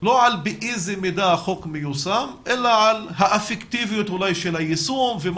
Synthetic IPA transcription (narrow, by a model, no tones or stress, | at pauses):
loʕalbeʔizimid̪aχokmejusamʔelaʕalhaʔafekt̪ivijut̪hulajʃelajisumvem